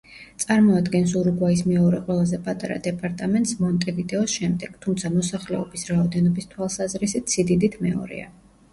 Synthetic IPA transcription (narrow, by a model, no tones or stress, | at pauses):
t̪sʼaɾmɔad̪ɡɛns̬uɾuɡwaismɛɔɾɛqʼwɛlˠazɛpʼat̪ʼaɾa̰d̪ɛpʼaɾt̪ʼamɛnt̪ʼsmɔnt̪ʼɛvid̪ɛɔsʃɛmd̪ɛɡ̥t̪ʰumt̪sʰamɔsaχlɛɔbisɾaɔd̪ɛnɔbist̪ʰwalˠsazɾisit̪ʰsid̪id̪it̪ʰmɛɔ̰ɾḭa̰